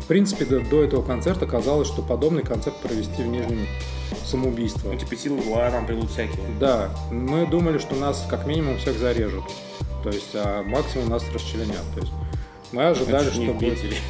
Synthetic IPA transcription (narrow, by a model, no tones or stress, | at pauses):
fpɾʲint̪sɨ̥pʲɪd̪d̪o̞ɛt̪əvəkɐnt̪sɛrt̪əkɐzalˠəsʲʂt̪o̞pɐd̪o̞bnɨjkɐnt̪sɛrt̪̚pɾəvʲɪsʲtʲivnʲiʐnʲɪmʲɪ | səməʊbʲijst̪vət̪ʲipʲɪsʲilˠɡlˠanampɾʲɪlˠut̪fsʲækʲɪjəd̪amɨd̪uməlʲɪʂt̪o̞naskakmʲinʲɪmʊmfsʲeɣzɐɾʲe̞ʐɨt̪ | t̪ːo̞jɪsʲtʲamaksʲɪmʊmnasrəst͡ɕɪlʲɪnʲa̰t̪ːo̞jɪsʲtʲ | mɨɐʐɨd̪alʲɪʂt̪ob̪